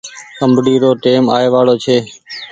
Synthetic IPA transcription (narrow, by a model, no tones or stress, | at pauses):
kəmbɖiːɾoːʈeːmaːeːʋaːɽoːt͡ʃʰeː